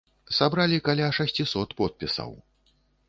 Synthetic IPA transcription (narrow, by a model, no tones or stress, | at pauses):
sabɾalʲikalʲaʂasʲt͡sʲisɔt̪pɔt̪̚pʲisɐ̰w